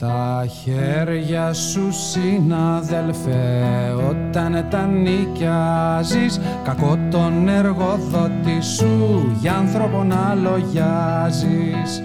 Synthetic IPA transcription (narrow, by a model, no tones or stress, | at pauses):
t̪ɐçeɾʝɐsusinɐðe̞lfeo̞t̪ɐnt̪ɐnicɐzis | kɐko̞t̪o̞ne̞ɾɣo̞ðo̞t̪isuʝɐnθɾo̞po̞nɐlo̞ʝɐzi | s